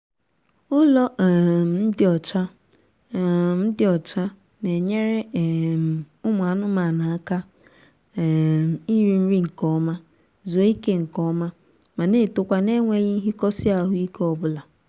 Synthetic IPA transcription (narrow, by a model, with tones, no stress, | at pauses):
ʊ˦lɔ˦˨˦n̩˦dɪ˨ɔ˨t͡ʃa˦˨ | n̩˦dɪ˨ɔ˨t͡ʃa˦ | ne˨ɲe˦ɾe˦˨ | ʊ˦m˨a˨˦nʊ˦ma˨na˨a˦ka˦˨ | i˦ɾi˦n̩˦ɾi˦ŋ̩˨kɔ˦ma˦ | zo˨˦i˦ke˦ŋ̩˨kɔ˦ma˦ | ma˨ne˦˨tʊ˨kʷa˨ne˦ŋʷe˦ɲi˦ɦi˦kɔ˦sɪ˦a˦ɦʊ˦i˦kɔ˨bʊ˦la˨